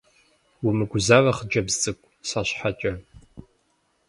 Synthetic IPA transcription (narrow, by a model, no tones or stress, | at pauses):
wimɨɡʷʊzaːrɐχəd͡ʒɐbztʼɨkʷʼ | saɕħat͡ʃʼɐ